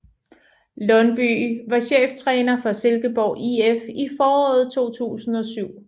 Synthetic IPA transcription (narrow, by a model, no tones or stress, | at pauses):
lɒ̽nb̥y̰ːʋɑ̈ɕḛːft͡sʰʁɛːnɐfɒselɡ̥əb̥ɒʊ̰ʔiefifɒːɒ̰̽ːð̞̩ˠt͡sʰo̝̰ːt͡sʰṵːsn̩ɒ̽syʊ̰